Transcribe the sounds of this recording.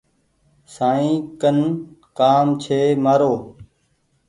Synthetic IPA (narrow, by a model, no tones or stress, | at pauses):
saːĩːkənkaːmt͡ʃʰeːmaːɾoː